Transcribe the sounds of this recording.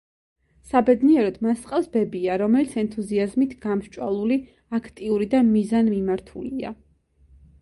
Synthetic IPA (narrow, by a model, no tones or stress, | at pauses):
sabɛd̪niɛɾɔd̪masʼqʼafsbɛbiaɾɔmɛlit̪sʰɛnt̪ʰuziazmit̪ʰɡ̥amʃt͡ʃʼwa̰lˠuli | akʰt̪ʼiuɾid̪amizanmimaɾt̪ʰṵlia̰